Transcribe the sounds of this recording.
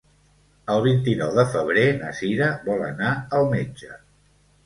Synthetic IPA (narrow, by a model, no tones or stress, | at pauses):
əlˠβ̞int̪inɔwðəfəβ̞ɾenəsiɾəβɔlə̰naəlˠmed͡ʒə